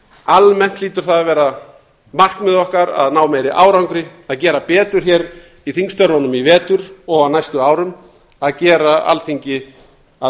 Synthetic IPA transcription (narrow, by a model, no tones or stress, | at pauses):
almɛn̥t̪liːt̪ʏɾ̥θaðaðvɛːɾa | mar̥knmɛðɔhkaɾa̰ðnaːwmeːjɾɪʔa̰ːwɾawŋkɾɪaðcɛːɾapɛːt̪ʏɾ̥çɛɾ | iθiŋst̪aɾɔːnʏmivɛːt̪ʏɾɔɣanajst̪ʏaːwɾʏm | aðcɛːɾaʔa̰lθiɲcɪ | a